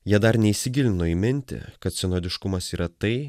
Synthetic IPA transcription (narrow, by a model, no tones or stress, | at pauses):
jiɛd̪ɐɾnʲɛisʲɪɡʲɪlʲɪnoːiːmʲɪnʲt̪ʲɪ̰kɐt̪sʲɪnoːd̪ʲɪʃkʊmɐsiːɾɐt̪ɐɪ